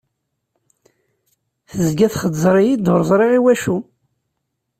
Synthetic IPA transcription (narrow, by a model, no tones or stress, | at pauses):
θəzɡæθχəd̪zɾˤijid̪ʊɾˤzˤɾˤiʁiwæʃu